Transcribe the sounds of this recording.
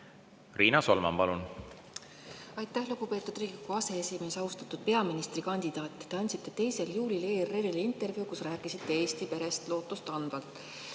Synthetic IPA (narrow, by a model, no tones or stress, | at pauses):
riːnɑso̞̰lmɑ̰mpɑlun | ɑjt̪ːˑæhluɡ̥upe̞ːt̪ːˑud̪riːɡlikːuɑse̞esime̞sɑust̪ɑt̪ːˑud̪̥̚pe̞ɑminist̪rikɑnʲd̪̥id̪̥ɑːt̪ːt̪e̞ɑnʲt̪ʲsit̪ːˑe̞t̪e̞jse̞ljuːlʲileːrelelint̪ːˑe̞rvjukusræːkːˑisit̪ːe̞e̞ːst̪ipe̞ɾe̞st̪lo̞ːt̪ˑːust̪ɑnb̥ɑlt̪ːˑ